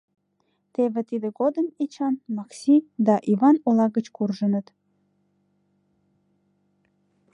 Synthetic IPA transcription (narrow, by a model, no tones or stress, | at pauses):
t̪eβet̪id̪əɡod̪əmet͡ʃɑnmɑksʲid̪ɑʔivɑnolɑɣət͡ɕkurʒənət̪